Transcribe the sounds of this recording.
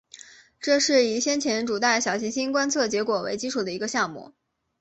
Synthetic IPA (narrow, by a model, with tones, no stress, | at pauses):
ʈ͡ʂɤ˥˧ʂɻ̩˥˩i˨˩ɕjɛ˥nt͡ɕʰjɛ˧˥nʈ͡ʂu˨˩t̪a˥˩ɪɕjɑ˨˩ʊɕʰi˧˥ŋɕi˥nkwa˥nt͡sʰɤ˥˩t͡ɕjɛ˧˥kwɔ˨˩wḛ˧˥ɪt͡ɕi˥ʈ͡ʂʰu˨˩d̪ə˦i˧˥ɡə˧ɕjɑ˥˧ŋmṵ˥˩